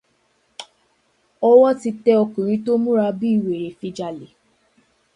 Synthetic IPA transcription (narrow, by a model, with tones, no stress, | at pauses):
ɔ˦wɔ˦ti˧tɛ˧ɔ˧kũ˨ɾ̃ĩ˧˦to˦mũ˦ɾa˧bi˦i˨we˨ɾe˨fĩ˧d͡ʒa˨le˨